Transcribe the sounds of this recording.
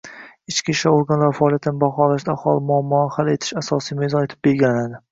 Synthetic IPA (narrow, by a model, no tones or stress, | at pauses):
ɪt͡ʃkʲiʃaoɾɡanlaɾfaɒːlˠijat̪ʰɪnɪbaχɒlaʃd̪aːχɒlˠɪmaɪmːʊhale̞t̪ʰɪ̥ʃasɒsijmezɒnet̪ʰɪ̥p̚be̞ɾɡʲannad̪ɪ